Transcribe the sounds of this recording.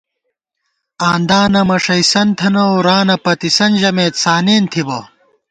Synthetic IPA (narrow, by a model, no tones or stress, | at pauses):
aːnd̪aːnɐmɐʂɐisɐnt̪ʰɐnɐwɾaːnɐpɐt̪isɐnʑɐmeːt̪saːneːnt̪ʰibɐ